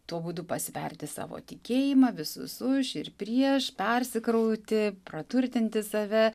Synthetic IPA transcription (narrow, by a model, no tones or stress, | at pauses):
t̪uɔbuːd̪ʊpɐsʲʋʲɛ̰rʲt̪ʲɪsɑ̰ːʋo̰ːt̪ʲɪkʲeːjɪmɑːʋʲɪsʊ̰sʊʃɪrpʲɾʲiɛʃpʲɛrʲsʲɪkɾɐʊt̪ʲɪprɐt̪ʊɾʲt̪ʲɪnʲt̪ʲɪsɐʋʲɛ